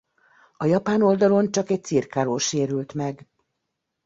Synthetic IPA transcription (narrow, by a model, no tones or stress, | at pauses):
ɒjɒpaːno̞ld̪ɒlo̞nt͡ʃɒkɛc̚t̪sirkaːloːʃeːɾylt̪mɛɡ